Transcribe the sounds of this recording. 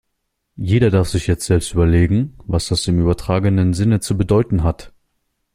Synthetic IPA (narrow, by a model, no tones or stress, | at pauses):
jeːɾɐdaɐfz̥ɪçjɛt͡stz̥ɛlpstʔyːbɐleːɡŋ̩vasd̥asɪmyːbɐtʁ̥aːɡənənzɪnət͡subədɔʏtn̩ɦat